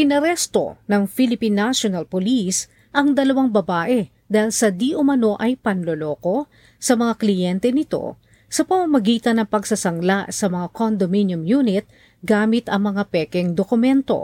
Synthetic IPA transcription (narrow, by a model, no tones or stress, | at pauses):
ʔɪnɐɾɛst̪o̞̰nɐŋfilɪpinːaʃonɐlpolis | ʔɐŋd̪ɐlɐwaŋbɐbaːʔɛ | d̪aːhilsɐd̪iʔʊmɐno̞ʔɐjpɐnlolo̞ːko̞ | sɐmɐŋaklɪjɛnt̪ɛnɪt̪o̞̰ | sɐpɐmɐmɐɡiːt̪ɐnːɐŋpɐɡsɐsɐŋlasɐmɐŋakond̪ominjʊmjuːnɪt̪̚ | ɡaːmɪt̪ɐŋmɐŋapɛːkɛŋd̪okʊmɛnt̪o̞̰